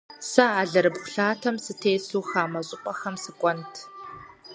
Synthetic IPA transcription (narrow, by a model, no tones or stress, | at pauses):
sɐaːɮɐɾɨbxʷʊɬaːtʰɐmsɨtʰeːsuːxaːmɐɕʼɪqʷʼɐxɐmsɨkʷʼɔntʰ